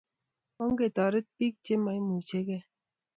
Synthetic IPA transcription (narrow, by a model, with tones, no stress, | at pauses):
ɔ˦ŋ˦ɡe˨tɔ˨ɾɪ˦t̚pi˦k̚t͡ʃe˦ma˨i˦mu˨t͡ʃe˦ke˦